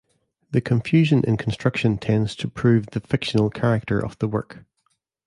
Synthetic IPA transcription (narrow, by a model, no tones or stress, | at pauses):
ðəkʰə̃ɱfjʉːʒə̃nʔɪ̰̃nkʰə̃nstɹ̥ʌkʃə̃ntʰɛ̃ndz̥tʰəpʰɹ̥ʉːvðəfɪkʃə̃nəlˠkʰaɹɪk̚tʰə̰˞ʔə̰v̥ðəwɜ̰˞k